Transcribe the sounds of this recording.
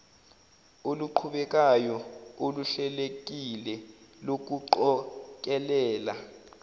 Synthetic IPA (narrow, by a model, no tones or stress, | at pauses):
oluǃʰuɓɛk̬ʼajɔoluɬɛlek̬ʼilɛlok̬uǃɔk̬ʼɛlɛːla